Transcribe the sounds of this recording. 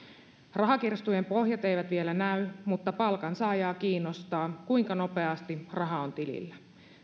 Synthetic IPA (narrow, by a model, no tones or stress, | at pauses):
rɑɦɑk̟irst̪ujempo̞ɦjɑt̪e̞jʋæt̪ʋielænæymut̪ːɑpɑlkɑnsɑːjɑːkiːnːo̞st̪ɑːkujŋkɑno̞pe̞ɑst̪irɑɦɑont̪ilḭlːæ